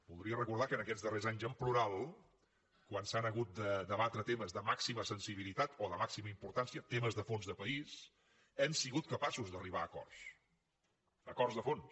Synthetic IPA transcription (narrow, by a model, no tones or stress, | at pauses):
b̥ulˠd̪ɾiərəkuɾðakənəkɛd͡zzðərezaɲzəmpluɾalˠ | kwansanəɣut̪̚d̪əd̪əβat̪ɾət̪eməzðəmaksiməsənsiβilit̪at̪oðəmaksiməimpuɾt̪ansiət̪eməzðəfonzðəpəis | ɛmsiɣut̪̚kəpasuzðəriβ̞aːkɔ̰rs | əkɔrzðəfons